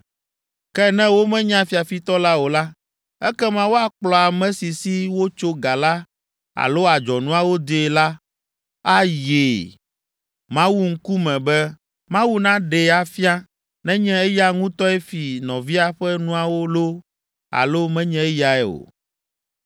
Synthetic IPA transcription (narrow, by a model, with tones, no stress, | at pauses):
kɛ˦nɛ̃˦wo˦mɛ̃˦ɲ˦ã˦fi˨a˨fi˦t̪ɔ˦la˦wo˨la˦ | ɛ˦kɛ˦mã˦wo˦a˨k͡plɔ˨a˨mɛ̃˦si˨si˦wo˦t͡ʃo˦ɡa˨la˦ | a̰˨lo˦a˨d͡ʒɔ˨nũ˦a˦˨wo˦d̪e˨la˦ | a˦je˨ | mã˦wu˦ŋ̩˦ku˦mɛ̃˨bɛ˦ | mã˦wu˦nã˦ɖɛ˨a˨fi˦a˦ | nɛ̃˦ɲɛ̃˦ɛ˦ja˦ŋũ˦t̪ɔ˦ɛ˦fi˨nɔ̃˨vi˦a˨ɸɛ˦nũ˦a˨wo˦lo˦ | a̰˨lo˦mɛ̃˦ɲɛ̃˦ɛ˦ja˨ɛ˦˨o̰˨